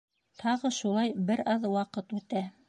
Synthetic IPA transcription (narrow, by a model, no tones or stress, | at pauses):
t̪ʰɑʁɤʃulˠɑjbɘɾɑðwɑqɤt̪ʉt̪æ